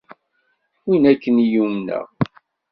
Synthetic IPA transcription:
winækːənijumnə̰ʁ

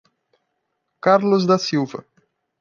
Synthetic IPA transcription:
kaɾlʊzd̪asiwvɐ̰

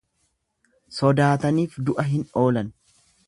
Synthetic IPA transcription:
sɔd̪aːt̪ɐniːfd̪ʊʔɐɦɪno̞ːlɐn

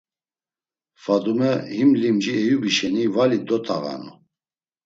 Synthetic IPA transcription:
fad̪umɛhimlimd͡ʒiɛjubiʃɛnivalid̪ɔt̪ʰʼaɣa̰nu

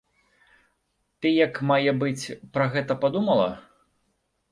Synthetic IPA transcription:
t̪ɨjɐkmajɛbɨt͡sʲpɾɐɣɛt̪ɐpad̪umɐlˠɐ̰

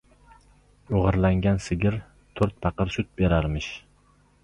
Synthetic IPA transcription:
ʊʁɨɾlaŋɡʲansɪɡʲɪɾ | t̪ʰɵɾt̪̚pʰɑqɨɾʃʊt̪̚beɾaɾmɪʃ

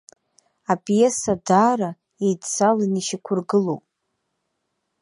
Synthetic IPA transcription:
apʼijesadaːɾa | ejdt͡sʰaliniʃikʷʰʊrɡɨlo̰wpʼ

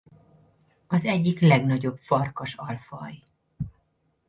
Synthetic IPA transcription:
ɒzɛɟːiklɛɡnɒɟo̞bfɒrkɒʃɒlfɒj

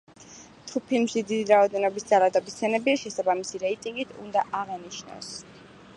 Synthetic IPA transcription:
t̪ʰupʰimʃid̪id̪iɾaɔd̪ɛnɔbisd̪zalˠad̪ɔbist̪sʰɛnɛbiaʃɛsabamisiɾɛit̪ʼiŋɡit̪ʰṵnd̪aʔaʁɛniʃnɔ̰s

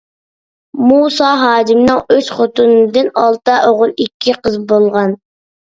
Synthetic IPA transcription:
musɑɦɑːd͡ʒimnɨŋøsχot̪unɨd̪ɨnɑlˠt̪ɨʔoʁʊlˠikʲʰːiqʰəzbolˠʁɑn

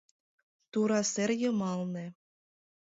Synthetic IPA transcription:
t̪uɾɑserjɤ̆mɑlnĕ

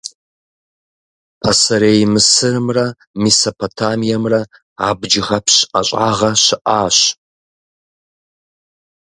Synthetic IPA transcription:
asɐɾejmɨsɨrɨmrɐ | misopʰotʰaːmijɐmrɐ | a̰ːbd͡ʒɪʁɐpʰɕʔɐɕʼaːʁɐɕɪʔaːɕ

